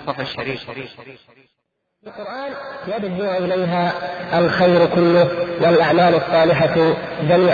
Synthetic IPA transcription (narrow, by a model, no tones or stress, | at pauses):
ilqʊɾʔaːnjadd͡ʒɪʔɪlajɦaʔalxajɾkʊlːʊwɪlʔaʕmaːlɑsˤːɑːlɪħaðaniː